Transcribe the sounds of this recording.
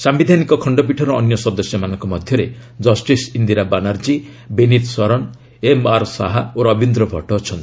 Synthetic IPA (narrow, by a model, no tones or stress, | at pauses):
sambid̪ʱanikɔkʰɔɳɖɔp̬iʈʰɔɾɔːnjɔsɔd̪ɔsjɔmanɔŋkɔmɔd̪ʱjɔɾe | d͡ʒɔsʈisind̪iɾabanaɾd͡ʒi | benit̪sɔɾɔn | emaɾsa̰ɦaoɾɔbind̪ɾɔbʱɔ̰ʈɔt͡ʃʰɔnt̪i̥